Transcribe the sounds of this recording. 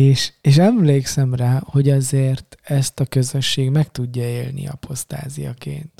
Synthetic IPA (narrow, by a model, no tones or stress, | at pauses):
eːʃeːʃɛmleːksɛmraːho̞ɟɒzeːrt̪ɛst̪ɒkø̞zø̞ʃːeːɡmɛkt̪uɟːɒeːlnḭɒ̰pʰo̞st̪a̰ːzijɒ̰kḛːnt̪